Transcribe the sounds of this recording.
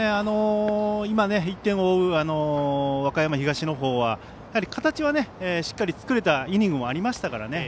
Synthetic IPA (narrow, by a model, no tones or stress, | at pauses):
eano̞imane̞it̪ːẽ̞ɰ̃o̞ɯ̟ano̞βakajamaçiɡaɕino̞ɦo̞ːβa | jahaɾʲikʰat̪at͡ɕiβane̞eːɕi̥kːaɾʲit͡sɨ̥kɯ̟ɾe̞t̪aiɲ̟ĩŋɡɯ̟mo̞aɾʲimaɕi̥t̪akaɾa̰ne̞